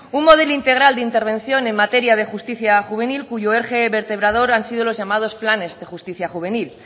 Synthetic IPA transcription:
unmo̞ð̞e̞loint̪e̞ɣ̞ɾald̪eint̪e̞ɾβ̞e̞n̟θjo̞ne̞ŋmat̪e̞ɾjað̞e̞xust̪iθjaxuβ̞e̞nilkuʝoeɾxe̞βe̞ɾt̪e̞β̞ɾað̞o̞ɾansið̞o̞lo̞zʝamað̞o̞splane̞zðe̞xust̪iθjaxuβ̞e̞nil

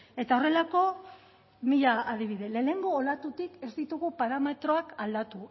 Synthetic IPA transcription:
e̞t̪ao̞re̞lako̞ | miʎaːð̞iβiðe̞le̞ːne̞ŋɡo̞ːlat̪ut̪ike̞zd̪it̪uɣupaɾame̞t̪ɾo̞akald̪at̪u

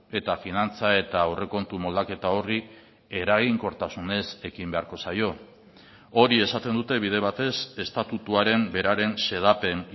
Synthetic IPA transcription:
e̞t̪afinant͡sae̞t̪aːre̞ko̞nt̪umo̞ld̪ake̞t̪ao̞ri | e̞ɾaɣiŋko̞ɾt̪asune̞se̞kimbe̞aɾko̞sajo̞ | o̞ɾie̞sat̪e̞nd̪ut̪e̞βið̞e̞β̞at̪e̞se̞st̪at̪ut̪uaɾe̞mbe̞ɾaɾe̞nse̞ð̞ape̞n

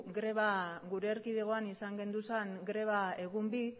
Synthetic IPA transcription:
ɡɾe̞βaɡuɾe̞ːɾkiðeɣ̞o̞anisaŋɡe̞nd̪usaŋɡɾe̞βae̞ɣ̞umbi

